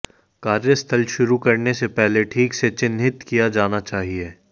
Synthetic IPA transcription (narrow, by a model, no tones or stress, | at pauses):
kaːɾjəst̪ʰəlʃʊɾukɐɾnesepɛɦleʈʰiːkset͡ʃɪnɦɪt̪kijad͡ʒaːnat͡ʃaːɦieː